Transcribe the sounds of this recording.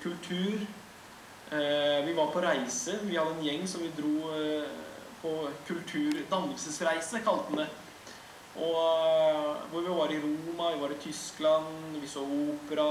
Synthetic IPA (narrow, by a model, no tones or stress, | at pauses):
kʰʉlt̪ʰʉːɾ | ʋɪʋɑɾpʰɔɾæɪsəʋɪhɑd̪ːəɛnjɛŋːsɔmʋɪd̪ɾuː | pʰɔkʰʉlt̪ʰʉːɾd̪ɑnːəlsəsɾæɪsəkʰɑlt̪əmɛ | ʔɔ | ʋʊɾʋɪʋɑɾɪɾuːmɑʋɪʋɑɾɪt̪ʰʏsklɑnʋɪsoːuːpəɾɑ